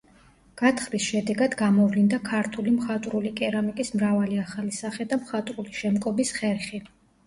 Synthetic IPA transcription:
ɡ̥at̪ʰχlisʃɛd̪ɛɡad̪ɡamɔvlind̪akʰaɾt̪ʰulimχat̪ʼɾulikʼɛɾamikʼismɾavaliaχalisaχɛd̪amχat̪ʼɾuliʃɛmkʼɔbisχɛɾχi

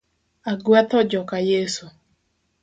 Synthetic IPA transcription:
aɡwɛt̪ɔd͡ʒɔkajesu

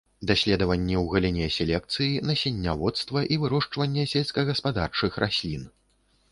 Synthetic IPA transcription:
d̪asʲlʲɛd̪ɐvɐnʲːiwɣɐlʲinʲɛsʲɛlʲɛk̚t̪sɨjinɐsʲɛnʲːavɔt̪st̪vɐʔivɨɾɔʂt͡ʂvɐnʲːɛsʲɛlʲsʲkɐɣɐspad̪a̰rt͡ʂɨxrʔasʲlʲin

